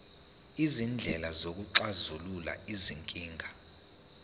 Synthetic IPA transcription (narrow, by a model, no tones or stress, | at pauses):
izind͡ɮʱɛlazok̬ʼuǀazulula̰iziŋkʼiːŋʱa